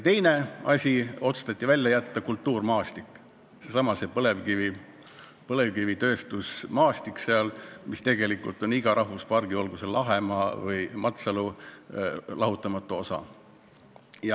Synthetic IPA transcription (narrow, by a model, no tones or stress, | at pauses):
t̪e̞jne̞ɑsʲio̞t̪su̥st̪ɑt̪ʲːˑivælʲjɑjæt̪ːɑkult̪ːuːrmɑːst̪ikːˑ | sesɑmɑsepɤle̞vkivi | pɤle̞vkivit̪ø̞ːst̪usmɑːsʲt̪ikse̞ɑlmist̪e̞ɡ̥e̞likːˑṵlt̪ˑo̞niɡ̥ɑɾʔɑɦvuspɑrɡ̥io̞lɡ̥uselɑɦe̞mɑvɤjmɑt̪sɑlu | lʔɑɦut̪ːˑɑmɑt̪ːˑoosɑ̰ | jɑ